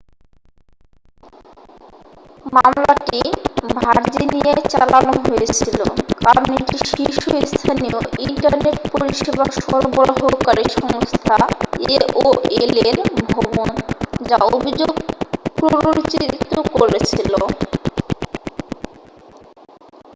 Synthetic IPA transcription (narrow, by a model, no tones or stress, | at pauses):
mamlaʈibʱaɾd͡ʑiniet͡ɕalanoɦoet͡ɕʰilo̰kabniʈiʃiʃuoist̪ʰanioʔiɳʈaɾneʈpoɾiʃebaʃɔɾobɔɾɦokaɾiʃɔŋost̪ʰaeʔoeleɾbʱɔbond͡ʑaobʱid͡ʑoɡpɾoɾot͡ɕit̪ːɾokoɾet͡ɕʰilo